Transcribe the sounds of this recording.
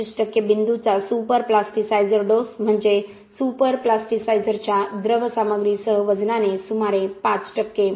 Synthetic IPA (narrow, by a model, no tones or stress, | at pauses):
isʈəkːebɪnd̪ut͡sasupəɾplasʈisaizəɾɖosm̤əɳd͡ʒe | supəɾplasʈisajzəɾt͡ɕad̪ɾəʋsaməɡɾisəɦəʋəd͡ʒnanesumaɾepãt͡sʈəkːe